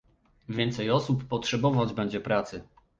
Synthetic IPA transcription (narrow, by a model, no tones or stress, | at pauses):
vʲjɛnt̪sɛjɔsupːɔtʂɛbɔvad͡ʑbɛɲd͡ʑɛpɾat̪sɘ